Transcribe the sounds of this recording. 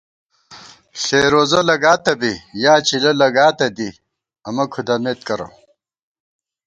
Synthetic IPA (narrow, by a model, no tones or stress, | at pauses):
ɕeːɾoːzɐlɐɡaːt̪ɐbijaːt͡ɕilɐlɐɡaːt̪ɐd̪i | ɐmɐkʰud̪ɐmeːt̪kɐɾɐ̰